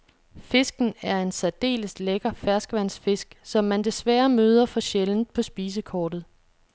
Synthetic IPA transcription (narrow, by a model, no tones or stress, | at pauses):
fe̝sɡ̥n̩æɐe̝nsæd̥e̝̰ːləsleɡ̥ɐfæɐsɡ̥əʋæn̰sfe̝sɡ̥sɒ̽mːænd̥e̝sʋæːɐmøːð̞ˠɐfɒ̽ɕeln̩pʰɒ̽sb̥iːs̬əkʰɒːd̥ð̩ˠ